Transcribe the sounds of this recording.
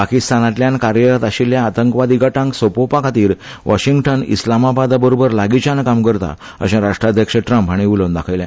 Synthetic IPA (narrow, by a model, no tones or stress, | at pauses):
pakist̪anat̪ljãnkaɾjəɾat̪aɕiljãːt̪əŋkəʋad̪iɡaʈãŋksopopakʰat̪iːɾ | ʋaɕiŋɡʈənḭslamabad̪abəɾobəɾlaɡit͡ɕankamkəɾt̪a̰ | ə̰ɕãɾaʂʈɾad̪ʱjəkʂəʈɾəmpɦaɽ̃iulond̪akʰəjljã